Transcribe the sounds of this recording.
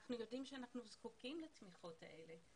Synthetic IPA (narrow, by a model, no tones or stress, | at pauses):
aχnujo̞dimʃeanaχnuzkukimlatmiχo̞ta̰ʔe̞le̞